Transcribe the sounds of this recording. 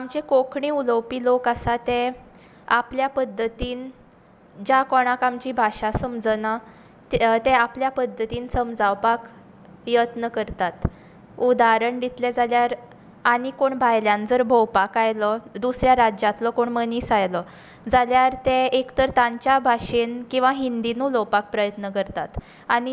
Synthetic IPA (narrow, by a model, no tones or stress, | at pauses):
amt͡ɕekokɳiuləwpiːlokasat̪ẽ | apljapəd̪ʱːət̪iːn | d͡ʑakɔɽ̃akamt͡ɕiːbʱaʂasəmd͡zna | t̪ɛapljapəd̪ʱːət̪iːnsəmd͡zawpak | jət̪nəkəɾt̪at̪ | ud̪aɾəɳɖ̪it̪ʰlɛd͡zaljaɾ | aɽ̃ikoɳbʱajljãnd͡zəɾbʱowpakajlɔd̪usɾjaɾad͡ʑat̪lɔkoɳməniːsajlɔ | d͡zaljaɾt̪ẽekt̪əɾt̪ãɲt͡ɕjabʱaʂenkĩw̃ʋaɦind̪inulɔwpak̚pɾəjət̪nəkəɾt̪at̪ | aɽ̃i